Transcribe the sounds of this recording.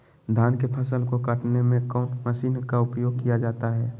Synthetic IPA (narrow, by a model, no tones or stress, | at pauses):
d̪ʱaːnkepʰəsəlkokəʈnemẽkɔ̃ːʈməʃiːnkaʊpjoːɡ̚kijad͡ʒaːt̪aɦɛː